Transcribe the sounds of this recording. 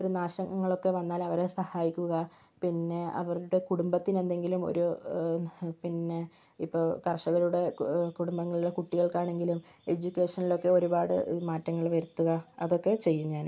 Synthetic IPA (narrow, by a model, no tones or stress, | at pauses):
oɾunaːʂɐŋɡɐŋːɐɭo̞kːe̞ʋɐnːaːlɐʋɐɾesɐhaːjikʲːuɣɐ | pinːe̞ɐ̰ʋɐruɽe̞kuɽumbɐt̪ːine̞nd̪e̞ŋɡilumo̞̰ɾu | pinːe̞ | ipːoːkɐrʂɐɣɐluɽe̞kuɽumbɐŋːɐɭuɽe̞kuʈːiɣɐɭkaːɳe̞ŋɡilume̞d͡ʑukʲːe̞ːʂɐnilo̞kːe̞o̞ɾubaːɽɨ̰imaːtːɐŋːɐɭʋɐɾut̪ːuɣɐɐðo̞kːe̞t͡ɕe̞jːumɲaːn